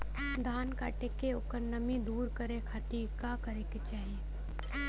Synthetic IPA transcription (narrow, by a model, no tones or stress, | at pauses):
d̪ʱaːnka̰ːʈekeʊkəɾnəmid̪uːɾkəɾekʰat̪iɾkakəɾeket͡ʃaːɦie